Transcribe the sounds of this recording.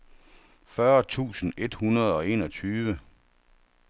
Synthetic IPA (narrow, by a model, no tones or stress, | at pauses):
fɶɐt͡sʰṵːsn̩e̝d̥hunɐð̞ˠɒ̽e̝̰ːnɒ̽t͡sʰyːʋə